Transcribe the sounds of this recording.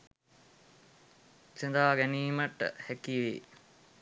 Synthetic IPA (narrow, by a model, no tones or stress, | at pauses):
send̪aːɡæniːməʈːə̰hækiʋḛː